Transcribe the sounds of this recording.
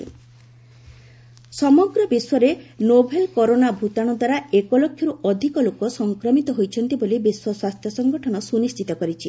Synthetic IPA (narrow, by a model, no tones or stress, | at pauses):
sɔmɔɡɾɔbiswɔɾenobʱelkɔɾonabʱut̪aɽ̃ɔd̪waɾaekɔlokʰːjɔɾuʔɔd̪ʱikɔlokɔsɔŋkɾɔmit̪ɔɦojt͡ʃʰɔnt̪ibolibiswɔswast̪ʰjɔsɔŋɡɔʈʰɔñɔsunist̪ʰit̪ɔkɔɾit͡ʃʰi